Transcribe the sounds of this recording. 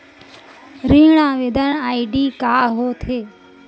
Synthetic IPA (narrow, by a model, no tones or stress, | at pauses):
ɾĩːɳãːʋed̪əɳaːiɖiːkaːɦoːt̪ʰeː